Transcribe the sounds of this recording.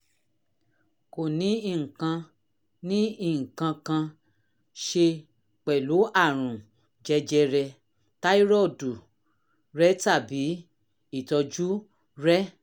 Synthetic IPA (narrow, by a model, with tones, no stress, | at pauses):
ko˨nĩ˨˦i˦˨ŋ̩˨kã˧ | nĩ˦i˦˨ŋ̩˨kã˧kã˧ | ʃe˧ | k͡pɛ˨lo˨˦a˦˨ɾ̃ũ˨ | d͡ʒɛ˧d͡ʒɛ˧ɾɛ˧ | ta˦i˦ɾɔ˦˨du˨ | ɾɛ˦ta˦˨bi˨˦ | i˦˨tɔ˧d͡ʒu˦ | ɾɛ˦